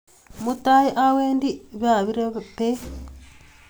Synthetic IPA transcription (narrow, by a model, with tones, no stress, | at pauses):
mu˦ta˦ji˦ʔa˦weː˦ndi˦βja˨βiɾe˦pe